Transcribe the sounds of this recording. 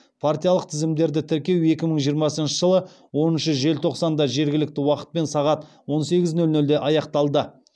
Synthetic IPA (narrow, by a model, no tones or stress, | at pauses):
pʰart̪ijɑlˠəq̚t̪ʰɪzɪmd̪e̞ɾd̪ɪt̪ʰɪɾkʲe̞we̞kʲɪməɴʒijəɾmɑsənʃəʒəlˠə | wo̞nənʃəʒe̞lt̪ʰo̞qsɑnd̪ɑʒe̞ɾɡʲɪlɪk̚t̪ɪwɑqə̥t̪̚pe̞nsɑʁɑt̪ | wo̞nse̞ɡʲɪznɵlnɵld̪e̞ʔɑjɑqt̪ɑlˠd̪ə